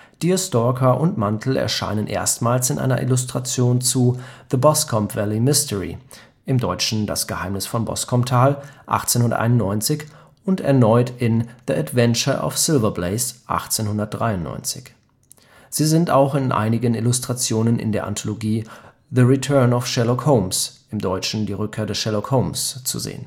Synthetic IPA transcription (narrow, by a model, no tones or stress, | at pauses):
d̥iostɔkʰɐʔʊntmantʰl̩ɛ̰ɐʃa̰ɪnənʔḛːɐstmaːlsɪnʔa̰ɪnɐ̰ʔɪ̰lʊstʁ̥at͡sjoːnt͡suðəbɔskʰɔmpv̥ɛlimɪstəʁḭ | ʔɪmdɔʏt͡ʃn̩da̰sɡ̥əhaɪmnɪsfɔnbɔ̰skʰɔmtʰaːlʔa̰χt͡senhʊndɐ̰tʔa̰ɪnʊnnɔʏnt͡sɪç | ʊntɛ̰ɐnɔʏtɪnðiatv̥ɛnt͡ʃɐʔɔ̰fsɪlvɐbleɪsʔa̰χt͡seːnhʊndɐt̚d̥ʁaɪʊnːɔ̰ʏnt͡sɪ̥̰ç | z̥iːzɪnta̰ʊxɪnʔa̰ɪnɪɡənɪlʊstʁ̥at͡sjoːnənʔɪ̰ndeːɐʔa̰ntʰoloɡiː | ðəʁitʰɜɐnɔfʃɛlɔkhoʊmsʔɪmdɔʏt͡ʃn̩diːʁʏkʰeːɐdɛsʃɛlokhoʊmst͡sṵzḛːən